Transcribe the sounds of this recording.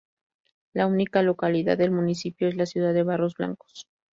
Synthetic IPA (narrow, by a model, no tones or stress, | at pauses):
launikalo̞kaliða̰ðe̞lmunisipjo̞e̞zlasjuð̞aðe̞βaro̞zβla̰ŋko̥s